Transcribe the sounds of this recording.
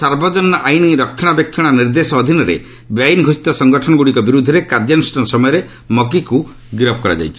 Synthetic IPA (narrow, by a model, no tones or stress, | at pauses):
saɾbɔd͡ʒɔnːɔʔajniɾɔkʰːɔ̃abjekʰːjɔɽ̃ɔniɾd̪esɔːd̪ʱinɔɾḛ | bjajnɡʱɔsi̥t̪ɔsɔŋɡɔʈʰɔɽ̃ɔɡuɽikɔbiɾud̪ʱːɔɾekaɾd͡ʒɔnusʈɔnɔsɔmɔjɔɾe | mɔk̬iku | ɡiɾɔbʰɔkɔɾa̰d͡ʒa̰jt͡ʃʰi